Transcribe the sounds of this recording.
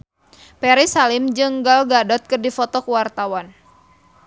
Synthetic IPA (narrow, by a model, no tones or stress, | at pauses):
pɛɾisalɪmd͡ʒɨŋɡalɡadɔt̪̚kɨrdifɔt̪ɔkəwart̪awan